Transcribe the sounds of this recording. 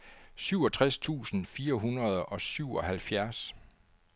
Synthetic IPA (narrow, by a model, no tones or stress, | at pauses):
syʊɒ̽t͡sʰʁast͡sʰṵːsn̩fiːɐɦunʁɐð̞ˠɒ̽syʊ̰ɒ̽hælfjæɐs